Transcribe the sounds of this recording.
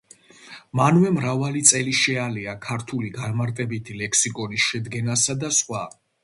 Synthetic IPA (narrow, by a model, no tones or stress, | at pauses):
manvɛmɾavalit̪sʼɛliʃɛaliakʰaɾt̪ʰuliɡanmaɾt̪ʼɛbit̪ʰilɛkʰsikʼɔnisʃɛd̪ɡɛnasad̪asχwa